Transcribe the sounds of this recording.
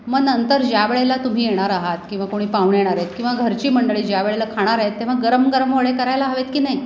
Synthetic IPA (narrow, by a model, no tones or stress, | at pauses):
mənnənt̪əɾd͡ʑjaʋeɭelat̪um̤iːjeɽ̃aɾaɦat̪kĩw̃ʋakoɽ̃iːpaʋɳjeɽ̃aɾet̪kĩw̃ʋaɡʱəɾt͡ɕiːməɳɖəɭiːd͡ʑjaʋeɭelakʰaɽ̃aɾaɦet̪ːeʋ̤aɡəɾəmɡəɾəmʋəɭekəɾajlaɦaʋet̪kiːnai